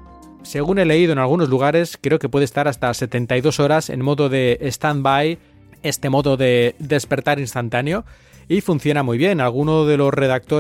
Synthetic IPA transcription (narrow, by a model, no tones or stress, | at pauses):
se̞ɣ̞une̞le̞iðoenalɣ̞uno̞zluɣ̞aɾe̞skɾe̞oke̞pwe̞ð̞est̪aɾast̪ase̞t̪e̞nt̪ajðo̞so̞ɾasḛnmo̞ðoðe̞ːst̪ambaj | e̞st̪e̞mo̞ðo̞ðe̞ðe̞spe̞ɾt̪aɾinst̪ant̪aneo̞ | ifun̟θjo̞namujβ̞je̞nalɣ̞unoðe̞lo̞sre̞ðak̚t̪o